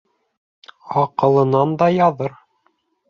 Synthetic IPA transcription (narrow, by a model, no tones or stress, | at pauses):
ɑqɤ̆lˠɤ̆nɑnd̪ɑjɑðɤɾ